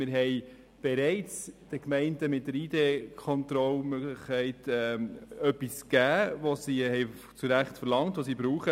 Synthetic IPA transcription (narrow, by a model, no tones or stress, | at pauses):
mɪɾɦɛɪ | b̥ɛɾɛɪt͡sd̥əkmɛɪntəmɪt̚dəɾiːdeːkʰɔnt̪ɾɔlmøɡlɪχkʰːɛɪtɛœpːiskæːʋosihɛj | t͡suɾæχtfəɾlɑŋtʋosibɾuːχə